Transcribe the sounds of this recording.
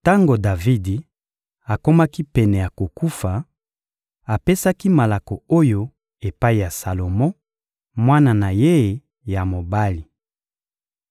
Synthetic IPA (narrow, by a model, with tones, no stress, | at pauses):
ta˦ŋɡo˨da˨vi˦di˨ | a˨ko˦ma˦ki˦pɛ˨nɛ˨ja˨ko˨ku˦fa˨ | a˨pe˦sa˦ki˦ma˨la˨kɔ˨o˦jo˦ | e˨pa˦i˨ja˨sa˨lo˨mɔ̃˦ | mwa˦na˨na˨je˦˨ | ja˨mo˨ba˦li˨